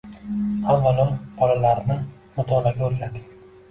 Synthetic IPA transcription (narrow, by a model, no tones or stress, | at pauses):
avːalɒb̥ɒlalaɾnɪ | mʊd̪ʰɒlaɡʲaɵɾɡʲad̪ɪkʲ